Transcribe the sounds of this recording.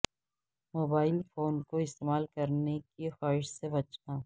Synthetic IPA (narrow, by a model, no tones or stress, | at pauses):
moːbaːɪlfoːnkoɪst̪eːmaːlkɐɾnekixaːɾɪʃsebɐt͡ʃnaː